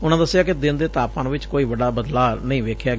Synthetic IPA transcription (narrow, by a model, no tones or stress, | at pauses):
ʊnãːd̪əsːɪjaːkɪd̪ɪnd̪eːt̪aːpãːnʋɪt͡ʃkoːiːʋəɖaːbəd̪laːnəĩːʋeːkʰjaː